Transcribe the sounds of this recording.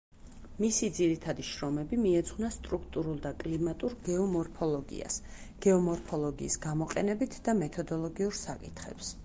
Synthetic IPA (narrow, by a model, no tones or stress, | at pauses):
misid̪ziɾit̪ʰad̪iʃɾɔmɛbimiɛt̪sʰχwnast̪ʼɾukʰt̪ʼuɾulˠd̪akʼlimat̪ʼuɾɡɛɔmɔɾpʰɔlˠɔɡḭa̰s | ɡ̥ɛɔmɔɾpʰɔlˠɔɡḭːsɡ̥amɔqʼɛ̰nɛbit̪ʰd̪amɛt̪ʰɔd̪ɔlˠɔɡiuɾsa̰kʼit̪ʰχɛ̰ps